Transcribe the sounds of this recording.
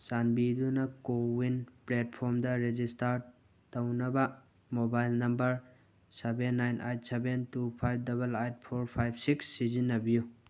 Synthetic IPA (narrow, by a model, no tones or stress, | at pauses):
sanbidunɐkowinplet̚pʰoɾmdɐɾed͡ʒistaɾ | tɐwnɐbɐ | mobajlnɐmbɐɾ | sebenːajnʔajt̚sebentupʰajb̚ʰdɐbɐlajt̚pʰoɾpʰajb̚ʰsiksːizinːɐbiju